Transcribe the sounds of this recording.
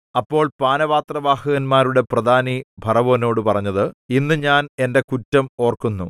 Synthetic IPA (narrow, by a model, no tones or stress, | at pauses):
ɐpːo̞ːɭpaːnɐʋaːt̪rɐʋaːhɐɣɐnmaːɾuɽe̞prɐd̪ʱaːnibʱɐrɐʋo̞ːno̞ːɽɨpɐrɐɲːɐðɨinːɨɲaːne̞nde̞kutːɐmo̞ːrkunːu